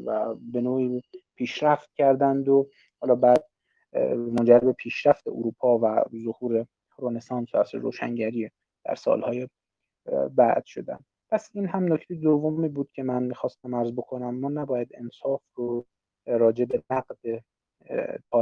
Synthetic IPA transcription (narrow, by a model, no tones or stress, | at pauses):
væbe̞noːiːpʰiːʃɾæft̪̚cʲʰæɾd̪ænd̪o | hɒːlɒːbæːd̪̚ | mond͡ʒæɾbe̞pʰiːʃɾæft̪e̞̰ʔuɾuːpʰɒːvæ̰zohuːɾe | ɾone̞sɒːnsæsɾoːʃæ̰ŋɟæɾiː | d̪̥æ̰ɾsɒ̰ːlhɒːje | bæ̰d̪̥ʃo̞d̪æ̰nd̪ | pʰæsiːnɦæmnocʰt̪ʰejed̪ovːomiːbuːd̪̥̚cʲʰe̞mænmiːxɒːst̪æmæɾzbo̞kʰo̞næmːɒːnæbɒːjæd̪e̞nsɒːfro | ɾɒːd͡ʒe̞be̞næɡd̪e | pʰɒː